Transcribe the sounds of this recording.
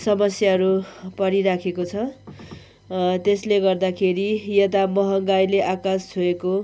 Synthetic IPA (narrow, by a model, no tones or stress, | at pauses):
sʌmʌsjaɦʌɾupʌɽiɾakʰekot͡sʰʌ | t̪esleɡʌrd̪akʰeɾijʌt̪̬amʌɦʌɡajleʔakast͡sʰoeko